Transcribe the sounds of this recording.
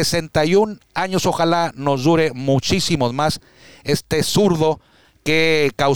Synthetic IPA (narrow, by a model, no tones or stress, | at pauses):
ese̞nt̪ajunaɲo̞so̞xalano̞zd̪uɾe̞mut͡ʃisimo̞mas | e̞st̪esuɾðo̞ | kekaw